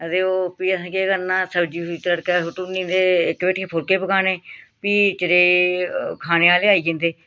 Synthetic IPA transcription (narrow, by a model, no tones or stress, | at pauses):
əd̪eːoːpiːəsãːkeːɡənãːsəbd͡ʒiːit̪ləɽkɛːɦʊʈunĩːnd̪eːɪkbeːʈʰkeːpʰʊɾkeːpəkaːneːpiːt͡ʃəɾeːkʰaːneːaːleːaːiːd͡ʒẽːnd̪eː